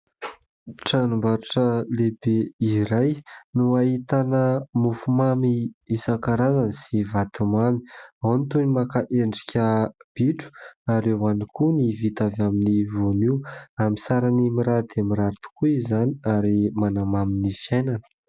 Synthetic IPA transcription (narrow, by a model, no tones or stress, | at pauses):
ʈ͡ʂanumbaɾaʈ͡ʂəlebeiɾajnuaɦit̪anəmufumamiisakaɾazansivat̪umami̥awnit̪unimakaʔeɳɖ͡ʐi̥kʲəb̥iʈ͡ʂu̥aɾewanikʰunivit̪avaminivoniwamisaɾanimiɾad̪̥eamiɾaɾit̪u̥kuizaniaɾimanamaminifijajnanə̥